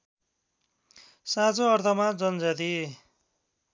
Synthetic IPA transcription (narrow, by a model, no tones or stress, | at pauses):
sãt͡soʌrt̪ʰʌmad͡zʌnd͡zat̪i